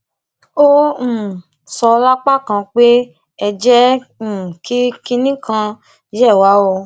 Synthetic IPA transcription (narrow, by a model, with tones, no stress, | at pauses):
õ˦˨ | sɔ˧la˦k͡pa˦˨kã˧k͡pe˦ | ɛ˧d͡ʒɛ̃˦˨ | ki˦ki˦nĩ˦kã˧ | d͡ʒɛ˦˨wa˨˦wɔ˧